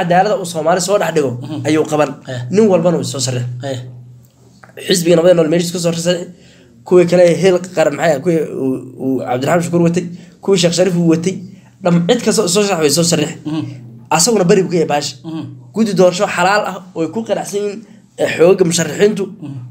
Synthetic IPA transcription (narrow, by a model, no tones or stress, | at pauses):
ʔad̪aːlɐðɐuːsɔːmaːlɪsɔːɖɑħɖɪɣɔʔɐjuːqɑβɐnnɪŋwɐlbɐnɐɪsɔːsɐrɪħ | ħɪs̬bɪɣɐnɐβɐðɐnɔːlmɛːlɪs̬kʰʊs̬ɔːrsɐrɪħɪ | kʰʊwikʰɐlɛɦɛlqɑɾɐnmħajkʰw | ʕɑ̰bd̪ʊɾrħaːmʃɐkʰuːɾwɐt̪ʰɛjkʰʊwiːʃ̬ɛːχʃɐɾiːfuwɐt̪ʰɛj | ɖɐmʕɪd̪kʰɐst̪ɔɪsɔːʃɐrɪħwɛs̬ɔːsɐrɪħɪʔɐsɐɣʊnɐbɐɾɪbʊkʰɐjɛbaːʃɪ̥ɡ̥ʊd̪ɪd̪ɔːrʃɔħɑlaːlʔɐhɔːɛjkʰʊqɑɾaʕsɐjiːn | ɛħɔːɣɐmʊʃɐrːɪħiːnt̪ʰʊ